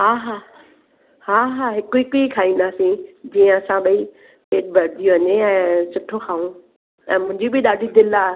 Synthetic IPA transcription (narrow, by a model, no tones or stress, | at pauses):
ɦaːɦaː | haːɦaːɦɪkʊikʊikʰaːĩːnd̪aːsĩd͡ʑiːə̃ɐsãɓɐi | peːʈ̚bʱɐɾd̪ijũʋɐɲeɛ̃ːsʊʈʰːoxʰaːũ | ɛ̰̃ːmʊ̃ɦɪ̃ɲd͡ʑibɪɗaːɖʱid̪ɪlaː